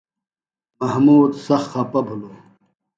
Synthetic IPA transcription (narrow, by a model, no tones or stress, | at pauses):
mɐhmuːd̪sɐxxɐpɐbʱuloː